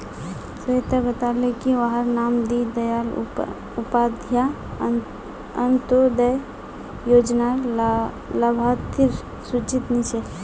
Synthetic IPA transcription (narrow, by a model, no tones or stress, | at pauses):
səet̪abət̪aːlekiʋaɦəɾnaːmd̪id̪ɐjaːl | ʊpaːd̪ʱja | ənt̪od̪əj | joːd͡ʒna | labʱat̪ɪɾ | sut͡ʃit̪nit͡ʃe